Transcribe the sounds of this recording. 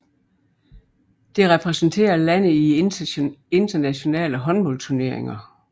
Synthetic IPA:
d̥e̝ʁɛpʰʁɛsn̩t͡sʰe̝̰ːɐlæn̰əi | e̝nd̥ɐnæɕo̝nɛ̰ːləɦɒ̽nb̥ɒ̽lt͡sʰuɐne̝ɐe̝ŋɐ

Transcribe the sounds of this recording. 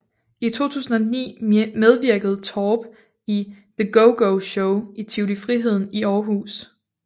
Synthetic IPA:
it͡sʰo̝̰ːt͡sʰṵːsn̩ɒ̽nḭːmeð̞ˠʋiɐɡ̥əð̞̩ˠt͡sʰɒːb̥ | i | ðəɡ̥oʊɡ̥oʊɕoʊit͡sʰeʊlifʁiɦe̝ð̞̰ˠn̩iɒːɦṵːs

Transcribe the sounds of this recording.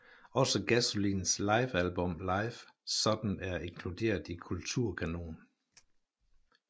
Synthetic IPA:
ɒ̽səɡ̥æsolinslɑ̈ɪfælb̥ɔ̽mlɑ̈ɪfsɒ̽d̥n̩æɐe̝ŋkʰlud̥e̝̰ːɐðˠikʰult͡sʰuɐ̰kʰæno̝̰ːn

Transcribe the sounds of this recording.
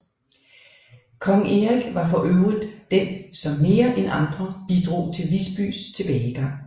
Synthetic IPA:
kʰɒ̽ŋeʁiɡ̥ʋɑ̈fɒ̽ʔøʊʁiðˠd̥ensɒ̽mːe̝ːɐʔenʔɑ̈nd̥ʁɐb̥id̥ʁo̝̰ːt͡sʰe̝lʋisb̥y̰ːst͡sʰe̝b̥ɛːɪɡ̥ɑ̈ŋ̰

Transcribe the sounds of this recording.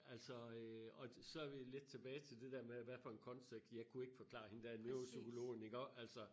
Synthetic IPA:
ælsɒ̽øɒ̽sɒ̽æɐʋile̝d̥̚t͡sʰe̝b̥ɛːɪt͡sʰe̝ld̥e̝d̥eɐ̰meæʋæɐfɒ̽e̝nkʰɒ̽nseɡ̥̚d̥jɑ̈ɪkʰue̝ɡ̥əfɒ̽kʰlɑ̰̈he̝nd̥æɐnøosykʰo̝lo̝̰ːniɡ̥ɒ̰ːælsɒ̽

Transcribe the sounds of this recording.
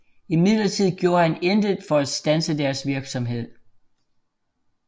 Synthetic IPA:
imið̰ˠlɐt͡sʰið̞̰ˠɡ̥jo̝ːɐhænend̥əðˠfɒ̽æ̥sd̥ænsəd̥æɐsʋiɐɡ̥sɒ̽mɦe̝ð̞̰ˠ

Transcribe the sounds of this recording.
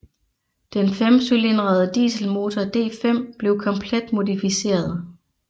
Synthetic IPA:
d̥enfemsyle̝nʁað̩ˠəd̥ḭːsəl̩mo̝ːt͡sʰɒd̥e̝̰ːfem̰b̥le̝ʊkʰɒ̽mpʰled̥mo̝ðˠifise̝̰ːɐðˠ

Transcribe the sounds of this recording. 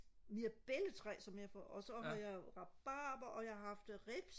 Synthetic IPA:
miɐb̥elət͡sʰʁɛ̰ːsɒ̽mjɑ̈fɒ̰ɒsɒ̽ɦɑ̈jɑɪʁɑ̈b̥ɑːb̥ɐʔɒ̽jɑ̈ɪɦɑ̈fd̥ʁeb̥s

